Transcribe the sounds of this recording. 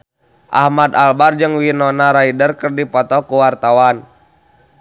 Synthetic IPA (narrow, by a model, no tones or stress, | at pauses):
ʔa̰hmad̪albard͡ʒɨŋwinɔnaɾaidərkərdipɔt̪ɔkuwart̪awan